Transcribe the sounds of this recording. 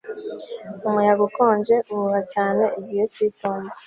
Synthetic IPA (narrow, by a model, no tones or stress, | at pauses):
umujaβukoːɲɟe̞uuβacaːne̞ʔiɟijociːtoːnda